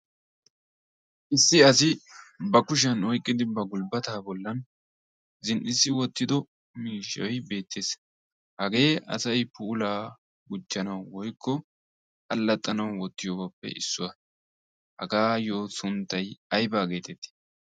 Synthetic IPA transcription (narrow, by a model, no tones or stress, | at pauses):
ʔɪsːɪɐs̬ɪbɐkʊʃ̬ɐnɔjkʼːɪd̪ɪbɐɡʊlbɐt̪aːbɔlːɐn | zɪnʔɪsːɪwɔt̪ːɪd̪ɔ | miːʃɐ̰jbe̞ːt̪ʰːeːs | hɐɡe̞ːʔɐ̰sɐjpuːlaː | ɡʊd͡ʒːɐnɐwwɔjkʰːɔ | ʔɐlːɐt̪ʼːɐnɐwwɔt̪ːɪjoːbɐpːɛ̰ʔɪ̰sːʊwɐ | hɐ̰ɡaːjoːsʊnt̪ːɐjɐjbaːɡe̞ːt̪ɛt̪ːi̥